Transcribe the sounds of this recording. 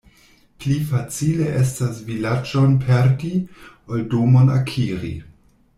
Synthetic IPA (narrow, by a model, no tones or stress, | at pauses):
plifat͡sileʔes̬tasvilad͡ʒonpʰeɾdi | oldomona̰kʰiɾḭ